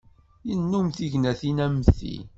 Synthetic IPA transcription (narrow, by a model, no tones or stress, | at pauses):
jənːumθiʝnæθinæmθḭ